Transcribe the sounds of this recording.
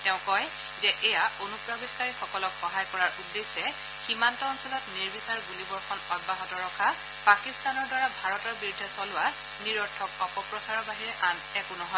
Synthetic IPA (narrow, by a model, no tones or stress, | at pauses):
tɛ̃ʊ̃kɔj | zɛʔɛjaʔonupɹabitkaɹixɔkɔlɔkxɔɦajkɔɹaɹudːesɛ | ximantɔːnsɔlɔtniɹbisaɹɡulibɔɹkʰɔnɔɡ̚baɦɔtɔɹɔkʰa | pakistanɔɹdwaɹabʱaɹɔtɔɹbiɹudʱːɛsɔlʊwa | niɹɔtʰːɔk̚ɔpɔpɹɔsaɹɔbaɦiɹɛʔanɛkʊnɔɦɔ